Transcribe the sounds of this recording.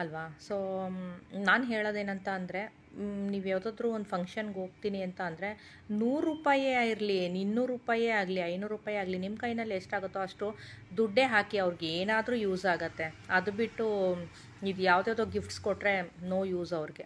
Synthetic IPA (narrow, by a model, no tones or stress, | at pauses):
ɐlʋaːsoː | naːnɦeːɭod̪e̞ːnɐnt̪ɐːnd̪ɾe̞ | niːʋjaːʋd̪aːd̪ɾuːond̪upʰɐŋkʂɐnɡo̞ːɡ̚t̪iːniɐnt̪ɐːnd̪ɐɾe̞ | nuːɾːuːpaːjeiɾlininːuːɾuːpaːjeaːɡliɐjnuːɾuːpaːjaːɡlinimkɐjnɐlːeʂʈaːɡut̪ːeɐʂʈu | d̪uɖːe̞ːɦaːkiɐʋɾiɡeeːnaːd̪ɾuːjuːzaːɡɐt̪ːe̞ɐd̪ubiʈːu | id̪ujaːʋd̪eːd̪oːɡifʈskoʈːɾe̞noːjuːzɐʋɾiɡe̞